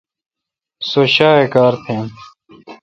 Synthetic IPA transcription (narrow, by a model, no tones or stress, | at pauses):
soɕaːekaːɾpʰẽːn